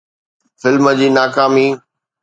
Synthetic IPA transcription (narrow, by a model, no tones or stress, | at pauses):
fɪlməd͡ʑiːnaːkaːmiː